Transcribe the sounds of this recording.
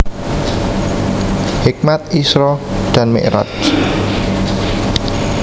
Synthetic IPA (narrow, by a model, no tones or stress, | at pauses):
hik̚mat̪̚isɾɔd̪̥a̤nmḛʔɾa̰t